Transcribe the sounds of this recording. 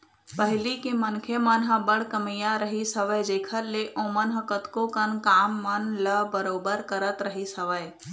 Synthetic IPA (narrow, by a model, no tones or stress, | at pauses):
pəɦɪlikimənkʰemənɦɐ̃bəɽ̤kəmijaɾəɦisəʋəjd͡ʒeːkʰəɾleʔõːmənɦɐ̃kət̪kõkənkaːmːənləbəɾoːbəɾkəɾət̪ɾəɦisəʋəj